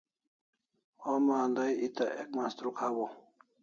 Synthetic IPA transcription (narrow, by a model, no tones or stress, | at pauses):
omaːnd̪ajit̪aʔek̚mast̪ɾukʰawo